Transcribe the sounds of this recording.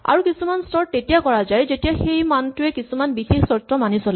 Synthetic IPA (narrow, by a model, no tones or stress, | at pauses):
a̰ɹukisumanstɔɹetijakɔɹazajzetijaxejmantʊɛkisumanbixexsɔtːɔmanisolɛ